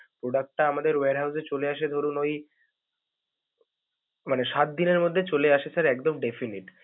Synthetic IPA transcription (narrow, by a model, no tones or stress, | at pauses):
pɾoɖak̚ʈːaamad̪eɾweaɾɦawset͡ɕoleaʃ̬ed̪ʱoɾunoj | maneʃat̪̚d̪ineɾmod̪ʱːet͡ɕoleaʃesʰaɾɛkd̪omɖefiniʈ